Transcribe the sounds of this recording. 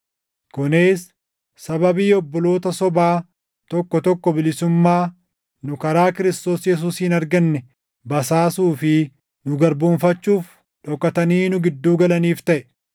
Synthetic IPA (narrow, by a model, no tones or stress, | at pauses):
kʊneːsː | ɐbɐbiːɔbːɔlo̞ːt̪ɐsɔbaː | t̪ɔkːɔt̪ɔkːɔbɪlɪsʊmːaː | nʊkɐɾaːkɪɾɪst̪o̞ːsjɛs̬uːsɪnɐɾɡɐnːɛ | bɐsaːsuːfɪ | nʊɡɐɾbuːnfɐt͡ʃːuːf | ᶑɔkːɐt̪ɐniːnʊɡɪd̪ːuːɡɐlɐniːft̪ɐʔɛ